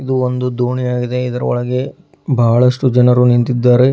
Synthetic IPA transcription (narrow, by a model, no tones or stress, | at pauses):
id̪uond̪ud̪ʱuːɳijaːɡid̪e̞id̪ɐɾɐ̰ɔ̰ɭɐɡe̞ | bʱaːɭɐʂʈud͡ʒɐnɐɾunint̪id̪ːaːɾe